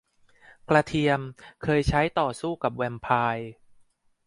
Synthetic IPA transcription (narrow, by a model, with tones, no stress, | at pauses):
kla˧t̪ʰi˧əmkʰɤː˧jt͡ɕʰa˦˥jt̪ɔː˨˩suː˥˩ka˨˩p̚wɛ˧mpʰaː˧j